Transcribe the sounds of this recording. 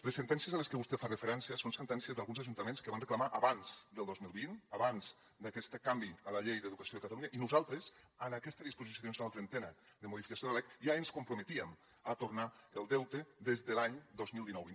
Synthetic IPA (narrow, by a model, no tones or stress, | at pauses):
ləsːənt̪ɛnsiəzaləskəβust̪ɛfarəfəɾɛnsiəsonsənt̪ɛnsiəzðalˠɣunzaʒunt̪əmenskəβanrəklamaʔəβanz̥d̪əlˠd̪ozmilˠβinaβanz | d̪akɛst̪kambiəlaʎejðəðukəsioekat̪aluɲaʔinuzalˠt̪ɾəz | ənakɛst̪əðispuzis̬sjonunalˠt̪ɾənt̪ɛnə | ðəmuðifi̥kasjoðəlɛkiaenskumpɾumət̪iəm | at̪uɾnaəlˠd̪ɛwt̪eðezðəlaɲd̪ozmilˠd̪inɔwin